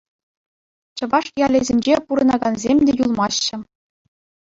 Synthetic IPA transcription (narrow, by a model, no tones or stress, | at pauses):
t͡ɕɤ̆ʋɑʂjɑlʲezʲenʲd͡ʑepuɾɤ̆nɑɡɑnzʲemʲdʲejulˠmɑɕːɘ̆